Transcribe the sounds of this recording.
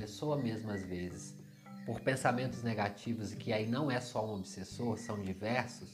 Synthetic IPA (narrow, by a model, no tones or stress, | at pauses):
esoɐmezmʊɐzvezɪs | poɾpẽsamẽnt̪ʊzneɡat͡ʃivʊzɪkɪainɐ̃w̃ɛsɔũobisesoɾsɐ̃w̃d͡ʒivɛɾsʊs